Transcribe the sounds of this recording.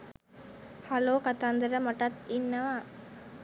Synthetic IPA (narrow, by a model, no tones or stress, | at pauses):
haloːkat̪and̪əɾəmɐʈɐt̪inːɐʋaː